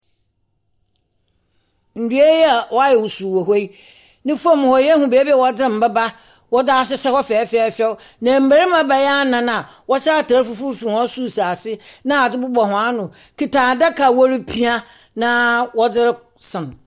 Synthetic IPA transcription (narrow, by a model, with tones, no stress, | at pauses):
n̩˨du˨e˦jɛ˦a˨wɔ˦a˦jɛ˨wu˨su˨wo˨ɦo˦i˦ | nɪ̃˦fa˦˨m˨hɔ˨jɛ˦hũ˨be˨e˦bi˦ɛ˨wɔ˦d͡zɪ̃˦m̩˨bɛ˦ba˦ | wɔ˦da˦s̬ɪ˦sɛ˦hɔ˦fɛː˨˦fɛ˦fɛ˦nã˨m̩˦bæ˨ɾi˦m˦ã˦ba˨jɛ˦a˦nã˨nã˨wɔ˦ɕa˦˨tʰa˨˦ɾfu˦fu˦fi˨ɔ̃˦su˦˨sa˨sɪ˦nã˦a˨d͡zɪ˦bʊ˦bɔ˨hʊ̃˨a˦nʊ̃˨ | kʰi˨tʰã˨dɛ˦kʰa˨wɔ˦ɾi˦pʰi˦a˦ | nã˦wɔ˦d͡zɪ˦ɾɪ˦ | sɪ̃˨